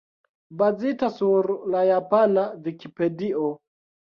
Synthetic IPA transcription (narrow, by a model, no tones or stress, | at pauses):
bazitasuɾlajapanavikipe̞diʔo